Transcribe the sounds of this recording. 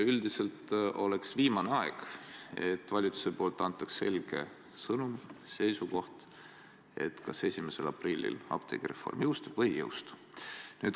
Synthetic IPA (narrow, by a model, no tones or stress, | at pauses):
yld̪ise̞lt̪o̞le̞ksviːmɑneɑeɡ̥e̞̰t̪ːvɑlʲit̪ːu̥sepo̞ːlt̪ːˑɑnt̪ːˑɑkse̞̰lʲɡ̥e̞ | sɤnumse̞jsuko̞ht̪ | e̞̰t̪kɑse̞sʲimese̞lɑprilʲːḭlɑ̰pt̪ʰe̞̰ɡ̥iɾe̞fːo̞̰rmjɤwst̪uvɤjːɤ̰wst̪u̥ | nyːd̪